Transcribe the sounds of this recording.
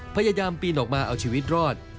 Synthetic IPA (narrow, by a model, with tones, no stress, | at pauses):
pʰa˧jaː˧jaː˧mpiː˧nʔɔː˨˩k̚maː˧ʔa˧wt͡ɕʰiː˧wi˦˥t̪̚ɾɔː˥˩t̪̚